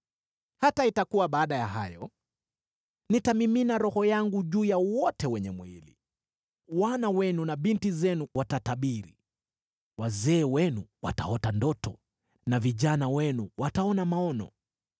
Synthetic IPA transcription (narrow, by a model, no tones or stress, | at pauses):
hataitakuwaɓaːɗajaɦajɔ | nitamiminaɾɔhɔjaŋɡuʄuːjawɔtɛwɛɲɛmwilḭ | wanawɛnunaɓintizɛnuwʔatataɓiɾi | wazɛːwɛnuwa̰ta̰ɔtandɔtɔ̰ | naviʄanawɛnuwataɔnamaɔnɔ̰